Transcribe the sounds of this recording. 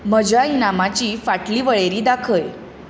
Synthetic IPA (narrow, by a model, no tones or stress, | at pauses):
məd͡ʑʱainamat͡ɕiːfaʈliːʋəɭeɾiːd̪akʰəj